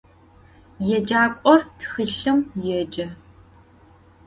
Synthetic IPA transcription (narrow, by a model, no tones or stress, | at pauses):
jɛd͡ʒaːkʷʼɔrtʰxɨɬɨmjɛd͡ʒɐ